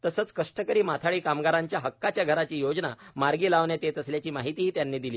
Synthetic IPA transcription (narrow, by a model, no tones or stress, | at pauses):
t̪əsəːt͡skəʂʈəkəɾiːmat̪ʰaɭiːkamɡaɾaɲt͡ɕjaɦəkːat͡ɕjaɡʱəɾat͡ɕiːjod͡zna̰maɾɡiːlaʋnet̪et̪əsljat͡ɕiːmaɦit̪iːɦiːt̪janːiːd̪iliː